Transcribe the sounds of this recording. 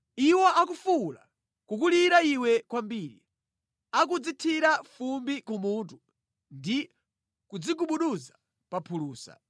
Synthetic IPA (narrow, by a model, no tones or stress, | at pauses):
iwɔak̬ufula̰ | kuk̬uliɾaiwɛkwambiːɾḭ | ak̬ud͡zitʰiɾafumbikumutu | ndi | kud͡ziɡuɓuɗuza | papʰuluːsa̰